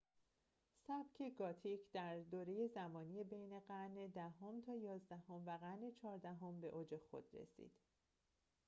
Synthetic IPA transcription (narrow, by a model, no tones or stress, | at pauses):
sæb̥cʰe̞ɡɒːt̪ʰicʰd̪̥æɾd̪oːɾeje̞zæmɒːnijebejne̞ɢæned̪æɦomt̪ʰɒːjɒːzd̪æhomvæɣæne̞t͡ʃʰɒːɾd̪æɦo̞mbe̞ʔoːd͡ʒe̞xo̞̰d̪̥ɾḛsḭːd̪̥